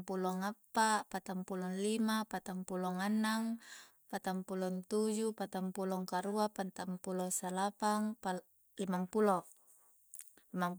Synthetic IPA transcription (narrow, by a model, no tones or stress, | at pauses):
pulɔŋapːapat̪ampulɔnlimapat̪ampulɔŋanːaŋ | pat̪ampulɔnt̪ud͡ʒupat̪ampulɔŋkaɾuapat̪ampulosalapaŋp | limampulɔ | lima